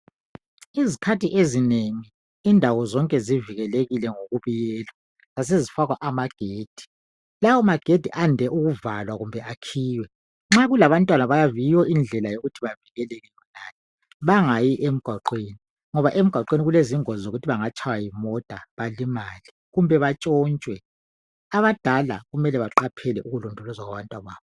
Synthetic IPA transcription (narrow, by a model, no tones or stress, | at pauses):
izikʰatiʔezineŋiː | ndʱawɔzɔŋkʼɛziviɣɛleɣilɛŋoɣuβijɛːlwa | zas̬ezifaɣwaʔamaɡ̥ʱeːd̥ʱi̥ | lawɔmaɡ̥ʱed̥ʱiʔandʱɛʔuɣuvalwaɣumbʱɛʔakʰiːwɛ | ŋ͡ǁaɣulaβantʼwanaβajavijwɔind͡ɮʱɛlajoɣutʰiβaviɣɛleɣɛjɔnaːni | βaŋajiʔem̩ɡ̥ʱwaǃweni | ŋɔβaʔem̩ɡ̥ʱwaǃweniɣuleziŋɔzoɣutʰiβaŋat͡ʃʰawajimɔd̥ʱaβalimali | ɣumbʱɛβat͡ʃʼɔːnt͡ʃʼwɛ | aβad̥ʱala̰ɣumɛlɛβaǃapʰɛlɛʔuɣulɔndʱɔlɔzwaɣwaβantʼwaβaːβɔ